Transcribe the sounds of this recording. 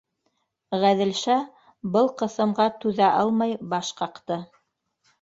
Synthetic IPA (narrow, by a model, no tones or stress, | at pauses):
ʁæðɘ̆lʃæ | bɤlˠqɤ̆θɤ̆mʁɑt̪ʉðæʔɑlˠmɑjbɑʃqɑqt̪ɤ